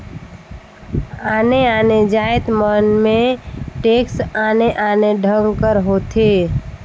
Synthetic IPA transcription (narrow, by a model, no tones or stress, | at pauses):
aːneaːned͡ʒaːet̪mənmẽʈeksaːneʔaːneɖʱəŋkəɾɦoːt̪ʰe